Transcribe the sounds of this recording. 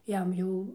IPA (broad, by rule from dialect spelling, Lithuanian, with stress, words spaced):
ˈjɛm jɛʊ